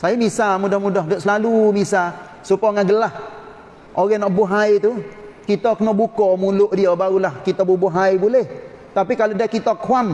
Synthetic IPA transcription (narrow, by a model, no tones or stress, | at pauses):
sajamisamudɔhmudɔɦdoʔsəlalumisa | supaŋaɡəlah | ʔoɾɛnaʔbuɦajt̪u | kit̪akənɔbukɔmulʊʔdiabaɾulahkit̪abubuɦajbulɛh | t̪apikalodakit̪akʰwam